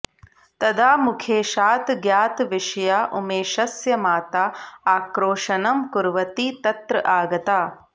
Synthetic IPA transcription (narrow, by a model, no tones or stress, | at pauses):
t̪ɐd̪aːmukʰeːʃaːt̪ɡjaːt̪ʋɪʃɐjaːʔumeːʃɐsjɐmaːt̪aaːkɾoːʂɐnɐmkuɾʋɐt̪iːt̪ɐt̪ɾɐʔaːɡɐt̪aː